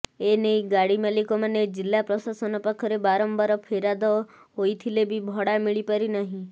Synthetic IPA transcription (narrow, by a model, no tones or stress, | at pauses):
enejɡaɽimalikɔmaned͡ʒilːapɾɔsasɔnɔpakʰɔɾebaɾɔmbaɾɔpʰeɾad̪ɔ | ɦojt̪ʰilebʱibʱɔɽamiɭipaɾinɔɦĩ